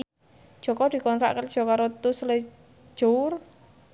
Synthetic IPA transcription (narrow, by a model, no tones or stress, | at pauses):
ʒ̥ɔ̤kɔd̪̥i̤kɔnɾa̰ʔkəlʒ̥ɔ̤kaɾot̪usle̥ | ʒ̥or